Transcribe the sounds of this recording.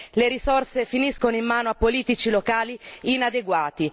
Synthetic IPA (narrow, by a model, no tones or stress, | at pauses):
leɾisorsefiniskonoimːaːnoapːoliːt̪it͡ʃilokaːliinad̪eɡwaːt̪i